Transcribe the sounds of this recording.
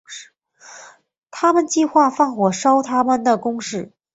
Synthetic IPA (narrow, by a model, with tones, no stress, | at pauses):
t̪ʰa˥mə˨nt͡ɕi˥˧xwa˥˧fɑ˥˩ŋxwɔ˨˩ʂɑ˥ʊt̪ʰa˥mə˨nd̪ə˩kʊ˥ŋʂɻ̩˥˩